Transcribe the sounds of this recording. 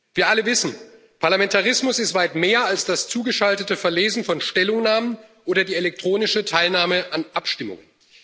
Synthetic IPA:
viːɐʔaləvɪsn̩ | pʰaɐlamɛntaʁ̞ɪsmʊsɪstv̥aɪtmeːɐalsd̥ast͡suːɡəʃaltətəfɛɐleːzn̩fɔnʃtɛlʊŋnaːmənʔoːɾɐdiːelɛk̚tʁ̥oːnɪʃətʰaɪlnaːməʔanʔapʃtɪmʊ̰ŋən

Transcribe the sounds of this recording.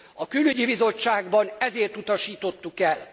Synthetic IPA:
ɒkylyɟibizo̞t͡ʃːaːɡbɒnɛzeːrt̪ut̪ɒʃiːt̪o̞t̪ːukɛl

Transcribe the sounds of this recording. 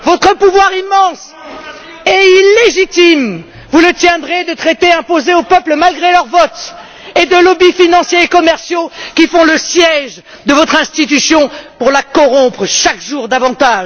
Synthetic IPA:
vɔt̪χəpuvwaʁimːɑ̃s | ɛileʒit̪im | vulət̪jɛ̃d̪ʁed̪ət̪χet̪eɛ̃pozeopœpləmalɡʁelœʁvɔt̪ | ed̪əlɔbifinɑ̃sjeekɔmɛʁsjokʲifɔ̃ləsjɛʒ | d̪əvɔt̪χɛ̃st̪it̪̬ysjɔ̃puʁlakɔʁɔ̃pχəʃakʒuʁd̪avɑ̃t̪aʒ

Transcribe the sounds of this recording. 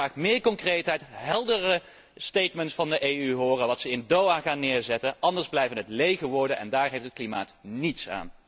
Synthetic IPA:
aːχmɪːɹkɔŋkrejtɦɛjtɦɛlˠdərə | stejtməntsfɑndəʔejyɦʊːrəʋɑtsəɪndowaːχaːnːɪːɹzɛtənʔɑndəɹzblɛjvənɦətlejɣəʋɔɹdənɛ̰ndaːɹɦejftət̚klima̰ːtnitsa̰ːn

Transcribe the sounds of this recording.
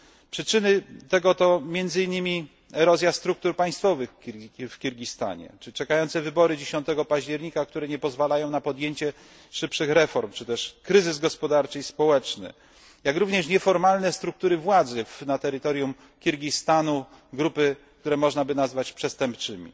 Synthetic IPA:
pʂɘt͡ʂɘnɘt̪ɛɡɔt̪ɔmʲjɛnd̪zɘinːɘmʲi | ɛɾɔzʲjast̪ɾuk̚t̪uɾpaj̃st̪fɔvɘxʲfkʲiɾɡʲist̪a̰ɲɛ̰t͡ʂɘt͡ʂɛkajɔnt̪sɛvɘbɔɾɘd͡ʑeɕɔ̃nt̪ɛɡɔpaʑd͡ʑɛɾɲikakt̪uɾɛɲɛpɔzvalajɔ̃w̃napɔd̪jeɲt͡ɕɛ | ʂɘpʂɘxɾɛfɔɾmt͡ʂɘt̪ɛʂkɾɘzɘzɡɔspɔd̪aɾt͡ʂɘispɔwɛt͡ʂnɘ̰ | jakɾuvɲɛʂɲɛfɔɾmalnɛst̪ɾuk̚t̪uɾɘvwad̪zɘfnat̪ɛɾɘt̪ɔɾjum | kʲiɾɡʲist̪anu | ɡɾupɘ | kt̪uɾɛmɔʐnabɘnazvat͡ɕpʂɛst̪ɛmp̚t͡ʂɘmʲḭ

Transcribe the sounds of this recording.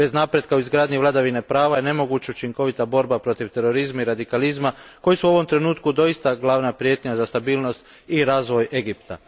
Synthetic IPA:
be̞znapɾe̞d̪̚kauizɡɾaːd̪ɲiʋlad̪aʋinepɾaːʋaje̞ne̞mo̞ɡut͡ʃeut͡ʃiŋko̞ʋit̪abo̞ɾbapɾo̞t̪iʋt̪e̞ɾoɾizmaiɾad̪ikalizmako̞jisuo̞ʋo̞mt̪ɾe̞nuːt̪kud̪o̞ist̪aɡlˠaːʋnapɾjeːt̪ɲazast̪abiːlˠno̞st̪ | iɾaːzʋoje̞ɡipt̪a̰

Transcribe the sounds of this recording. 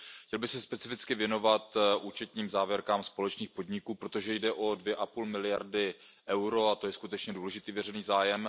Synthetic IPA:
xcɛlbɪxsɛspɛt͡sɪfɪt͡skɪvjɛno̞vat̪ʔuːt͡ʃɛt̪ɲiːmzaːvjɛɾkaːmspo̞lɛt͡ʃniːxpo̞dɲɪkuːpɾo̞t̪o̞ʒɛjdɛʔo̞dvjɛʔapuːlmɪlɪja̰ɾdɪʔɛwɾoat̪o̞jɛskut̪ɛt͡ʃɲɛduːlɛʒɪt̪iːvjɛrɛniːzaːjɛm

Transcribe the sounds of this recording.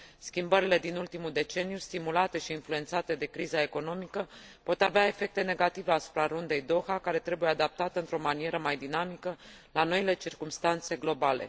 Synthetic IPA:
skʲimbəɾile̞d̪inult̪imuld̪e̞t͡ʃe̞nijust̪imulat̪e̞ʃiːnflue̞nt̪sat̪e̞d̪e̞kɾizae̞ko̞no̞mikəpo̞t̪aveae̞fe̞k̚t̪e̞ne̞ɡat̪iveasu̥pɾaɾund̪e̞jd̪o̞xakaɾe̞t̪ɾe̞bujead̪ap̚t̪at̪əɨnt̪ɾo̞manije̞ɾəmajd̪inamikə | lano̞ile̞t͡ʃirkumst̪ant̪se̞ɡlo̞bale̞̰

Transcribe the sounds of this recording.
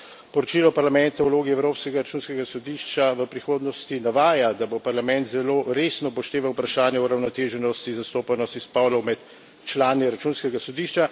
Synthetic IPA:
pɔɾɔt͡ʃilɔpaɾlamɛnt̪auwloːɡiɛwɾoːpskɛɡaɾat͡ʃuːnskɛɡasɔd̪iːʃt͡ʃaʋəpɾixoːd̪nɔst̪inaʋaːjad̪abopaɾlamɛnt̪zɛloːɾesnɔpɔʃt̪eːʋawpɾaʃaːnjɛuɾawnɔt̪eːʒɛnɔst̪izast̪oːpanɔst̪ispɔlɔwmɛt̪ | t͡ʃlaːniɾat͡ʃuːnskɛɡasɔd̪iːʃt͡ʃa

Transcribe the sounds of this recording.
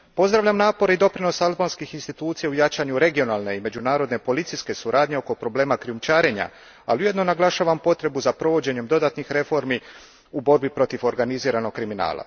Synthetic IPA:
po̞zd̪ɾaʋʎʲamnaːpo̞ɾeid̪o̞pɾino̞salbanskixinst̪it̪uːt̪sijaujat͡ɕaɲuɾe̞ɡio̞naːlˠne̞ime̞d͡ʑunaːɾo̞d̪ne̞po̞lit̪siske̞suɾʔaːd̪ɲe̞o̞ko̞pɾo̞ble̞ːmakɾiumt͡ʃaːɾe̞ɲa̰ | a̰liuje̞d̪no̞naɡlˠaʃaːʋampo̞t̪ɾe̞buzapɾo̞ʋo̞d͡ʑe̞ɲe̞md̪o̞d̪aːt̪nixɾe̞fo̞ɾmi | ubo̞ɾbipɾo̞t̪ifo̞ɾɡaniziːɾano̞k̚kːɾimina̰ːlˠa̰

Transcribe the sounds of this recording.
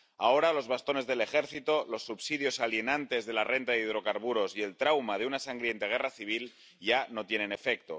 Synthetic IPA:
ao̞ɾalo̞zβast̪o̞ne̞zðe̞le̞xe̞ɾθit̪o̞lo̞sːuβsið̞jo̞salje̞nant̪e̞zðe̞larʔe̞nt̪aðeiðɾo̞kaɾβ̞uɾo̞sie̞lt̪ɾawmað̞eunasaŋɡɾje̞nt̪eɣ̞e̞raθiβ̞il | ʝano̞t̪je̞ne̞ne̞fe̞k̚t̪o̞̰

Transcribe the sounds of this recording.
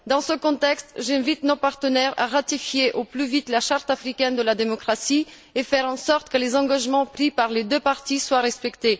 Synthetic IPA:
d̪ɑ̃səkɔ̃t̪ɛkst̪ʒɛ̃vit̪nopaʁt̪ənɛʁa̰ʁat̪ifjeʔoplyvit̪laʃaʁt̪afχikʲɛnd̪əlad̪emɔkχasi | efɛʁɑ̃sɔʁt̪kəlezɑ̃ɡaʒmɑ̃pχipaʁled̪øpaʁt̪iswaʁɛspɛkt̪e

